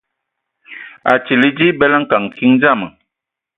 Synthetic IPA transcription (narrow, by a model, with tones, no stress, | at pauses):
a̰˨t͡ʃi˨li˦d͡ʒi˦bɛ˦la˦ŋ̩˦ka˨ŋ˨ki˦ŋd͡ʒa˦˨mə˨